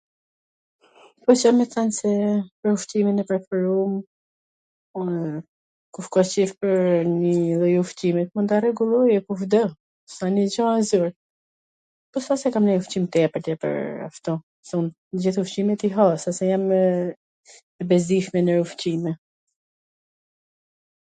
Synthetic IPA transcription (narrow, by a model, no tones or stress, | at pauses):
pɔt͡ʃamɛθansɛpəɾufciminɛpɾɛfɛɾum | kufkɔt͡ʃifpəɾnilˠɔjuft͡ɕimɛt̪̚mund̪arɛɡulˠɔjɛkufd̪ɔ | sanid͡ʑɔazuɾ | pɔsθasɛkamnəjuft͡ɕimt̪ɛpəɾt̪ɛpə̰ɾa̰ft̪u | θun | əd͡ʑiθuft͡ɕimɛt̪iɦasasɛjam | ɛbɛzd̪iʃmɛnəɾuft͡ɕimɛ